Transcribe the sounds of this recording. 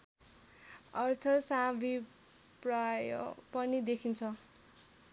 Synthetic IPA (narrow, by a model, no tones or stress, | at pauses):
ʌrt̪ʰʌsabi | praj̰pʌnid̪ekʰint͡sʰʌ